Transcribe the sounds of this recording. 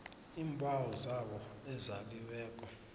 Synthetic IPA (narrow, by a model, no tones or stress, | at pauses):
iːmbʱʼawɔzaɓɔɛzak̬iwɛːk̬ʼɔ